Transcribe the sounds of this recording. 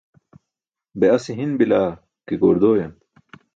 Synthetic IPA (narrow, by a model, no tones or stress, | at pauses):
beɐsiɦinbilaː | kiɡoːɾd̪oːjɐn